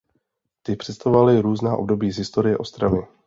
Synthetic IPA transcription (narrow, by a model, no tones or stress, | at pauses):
t̪ɪpr̝̥ɛst̪avovalɪɾuːznaːʔo̞̰bdo̞biːzɦɪst̪o̞ɾɪjɛʔo̞st̪ɾavɪ